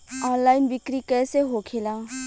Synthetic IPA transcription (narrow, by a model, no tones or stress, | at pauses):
ɔːnlaːɪnbɪkɾikɛːseɦokʰelã